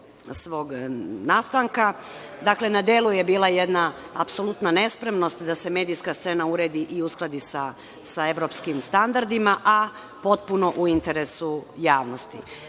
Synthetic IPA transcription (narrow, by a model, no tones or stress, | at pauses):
sʋo̞ːɡnaːst̪aŋka | d̪akle̞nad̪eːluje̞biːlˠajed̪na | apso̞lut̪nane̞spɾe̞mno̞st̪d̪ase̞me̞ːd̪ijskast̪se̞nauɾe̞ːd̪iʔiusklˠad̪isa | sae̞ʋɾo̞pskimst̪and̪aɾd̪imaʔa | po̞t̪̚puno̞ʔuint̪e̞ɾesujaːʋno̞st̪ḭ